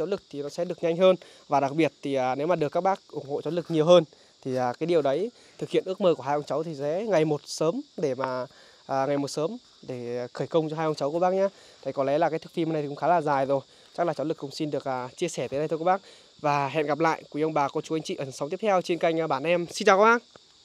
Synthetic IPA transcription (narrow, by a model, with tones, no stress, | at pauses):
t͡ɕo˨˦nlɨ˨˩k̚t̪ʰi˨˩nɔ˨˦sɛ˧˥ɗɨ˨˩ək̚ɲa˧jŋ̟ɦəː˧n | vaː˨˩ɗa˨˩ɓi˨˩ət̚t̪ʰiː˨˩˨ne˨˦wmaː˨˩ɗɨ˨˩əkːaː˦˥k̚ɓaː˦˥k̚ʔʊ˧˩ŋ͡mho̰˧˨t͡ɕo˨˦lɨ˨˩k̚ɲi˨˩əwɦəː˧n | t̪ʰi˨˩ʔəː˨˩kaː˨˦jɗi˨˩əwɗə˨˦j | t̪ʰɨ˨˩k̚hḭ˧˨ənʔɨ˦˥ək̚məː˧˩ku˧˩əhaː˧jʔwŋ͡mt͡ɕə˨˦wt̪ʰi˨˩zɛ̰˧˥ŋa˨˩jmo˨˩t̚səː˨˦mɗe˧˩maː˨˩ | ʔːŋa˨˩jmo˨˩t̚səː˨˦m | ɗe˧˩˨xəː˧˩jkə˧wŋ͡mt͡ɕɔ˧ɦaː˧jʔə˧wŋ͡mt͡ɕə˨˦wku˧˩əɓaː˦˥k̚ɲaː˨˦˥ | t̪ʰa˨˧˩jkɔ˨˦lɛ˨˦laː˨˩kaː˨˦jt̪ɨ̥˦˥k̚fi˧m˧na˧˩j̪i˨kʊ̰˧˦˥xaː˨˦laː˨˩zaː˨˩jzo˨˩j | t͡ɕa˦˥k̚laː˨˩t͡ɕɔ˨˦nlɨ˨˩kːʊ̰˧˥wŋ͡msi˧nɗɨ˨˩ək̚aː˨˩t͡ɕi˧əsɛː˦˧˩t̪əː˨˦ɗj̪ʰkːɓːk̚ | vaː˨˩ɦɛ̰˧˨nɣa˨˩p̚la̰ː˧˨jʔkwʔə˧wŋ͡mɓaː˨˩kɔ˨˦t͡ɕu˨˦ʔa˧ŋ̟t͡ɕḭ˧˨ʔəː˧˩nswt̪i˦˥ət̪ʰɛ˧wt͡ɕe˧nka˧jŋ̟˧ɓaː˧˩nʔɛ˧msi˧nt͡ɕaː˨˩kə˨˦ɓaː˧˥ŋ